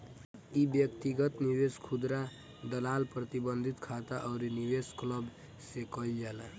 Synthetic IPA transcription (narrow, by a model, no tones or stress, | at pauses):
ibjʌkt̪iɡʌt̪nibeskʰud̪ɾa | d̪ʌlalpɾʌt̪ibʌnd̪ʱit̪kʰat̪aʔʌwɾiniwesklʌb | sekʌld͡ʒala